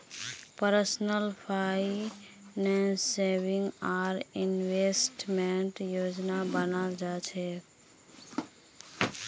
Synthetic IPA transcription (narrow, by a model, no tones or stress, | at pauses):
pəɾsnəlpʰai | nesebiŋɡaɾinwesʈmeɳʈjod͡ʒnabənald͡ʒat͡ʃʰɛ